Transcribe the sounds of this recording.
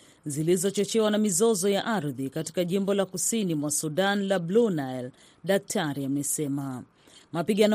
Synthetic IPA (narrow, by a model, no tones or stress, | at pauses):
zilizɔt͡ʃɔt͡ʃɛwanamizɔzɔjaʔaɾðikati̥kaʄimbɔlakusinimwasuɗanlablunajl | ɗak̚tʰaɾiamɛsɛma | mapiɠan